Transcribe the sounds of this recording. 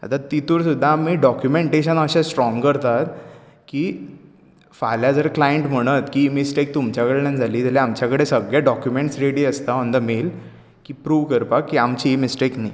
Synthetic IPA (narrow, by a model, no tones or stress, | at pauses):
a̰t̪at̪it̪uɾsud̪ʱːamiːɖɔkjumeɳʈeɕənəɕãsʈɾɔŋɡkəɾt̪at̪ | ki | faljad͡zəɾklajəɳʈm̤əɽ̃ət̪kimisʈek̚t̪umt͡ɕjakəɽenad͡zʱaliːt̪aleamt͡ɕjakəɽesəɡjaɖɔkjumeɳʈsɾeɽiːəst̪amənd̪əmel | kiːpɾuːʋkəɾpakːiamt͡ɕiːmisʈekna̰